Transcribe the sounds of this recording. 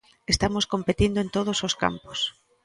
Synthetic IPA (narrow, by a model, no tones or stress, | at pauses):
est̪amoskompet̪ind̪oent̪oð̞ososka̰mpo̥s